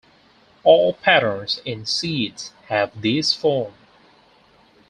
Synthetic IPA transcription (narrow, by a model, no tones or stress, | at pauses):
ɔlˠpʰæɾə̃˞nsɪ̃nsidshævðɪsfɔɹm